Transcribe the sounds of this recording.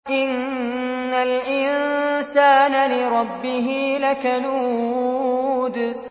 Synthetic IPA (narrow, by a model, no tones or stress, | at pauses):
ʔɪnː | alʔɪnsaːnalɪɾˤɑbːɪɦiːlakaluː | d̪